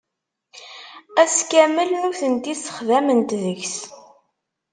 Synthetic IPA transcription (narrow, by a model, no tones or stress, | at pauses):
æskæməlnuθənt̪isə̥χðæmənt̪ðəçs